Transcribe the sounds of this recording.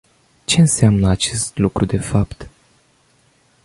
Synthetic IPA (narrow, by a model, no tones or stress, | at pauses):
t͡ʃe̞ɨnseamnəat͡ʃe̞st̪lukɾud̪e̞fapt̪